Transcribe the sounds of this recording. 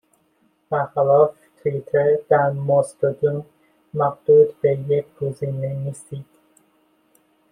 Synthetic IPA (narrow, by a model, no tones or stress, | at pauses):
b̥æɾxælɒːf | t̪ʰuit̪ʰeɾd̪æɾmost̪od̪un | mæɡd̪̥uːd̪bejekʰɡ̥oziːneniːst̪iːd̪̥